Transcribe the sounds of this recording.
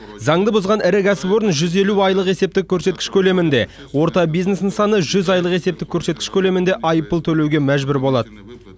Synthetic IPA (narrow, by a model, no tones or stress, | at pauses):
zɑŋd̪əbʊzʁɑnɪɾɪkʲʰæsɪpwo̞ɾənʒʏze̞luɑjlˠəqe̞se̞p̚t̪ɪkʲʰːɵɾset̪kʲɪ̥ʃkʲʰɵle̞mɪnd̪e̞ | wo̞ɾt̪ɑbijzne̞snɪŋsɑnəʒʏzɑjlˠəqe̞se̞p̚t̪ɪkʲʰːɵɾse̞t̪̚kʲɪʃkʲʰɵle̞mɪnd̪e̞ʔɑjəpːəlˠt̪ʰɵle̞wɡʲe̞mæʒbʏɾbo̞lˠɑd̪ə